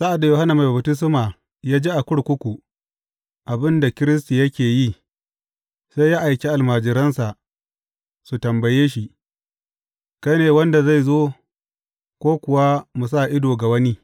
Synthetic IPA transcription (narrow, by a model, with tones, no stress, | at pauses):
sa˦ʔa˨dːa˨joː˨ha˦na˨ma˨jba˨btɪ˦s̬ʊ˦ma˨ | jaː˦d͡ʒe˦ʔa˨kʷʊ˦ɽkʷʊ˦kʷu˨ | ʔa˨bɪ˦nda˨kʲɪ˦ɾɪ˦s̬ti˨jɐ˦kʲeː˨ji˦˨ | sa˦jaː˦ʔa˨jkʲe˦ʔa˨lmaː˨d͡ʒɪ˨ɾɐ˦nsa˨ʔ | su˨tɐ˨mbɐ˨jeː˦ʃ̬i˨ | ka˦neː˨wɐ˦nda˨za˦˨jzoː˦ | kʷoː˦kʷʊ˨wa˦mu˨s̬a˦˨ʔɪ˦doː˨ɡa˨wɐ˦ni˦